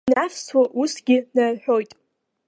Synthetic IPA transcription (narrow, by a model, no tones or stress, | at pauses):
nafswaʔusɡʲɪnarħᶣo̞jtʼ